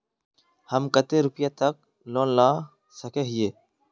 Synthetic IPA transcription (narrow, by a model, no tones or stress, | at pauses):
həmkət̪eːɾʊpjaːt̪ək̚ | loːnlaː | səkeːɦɪjeː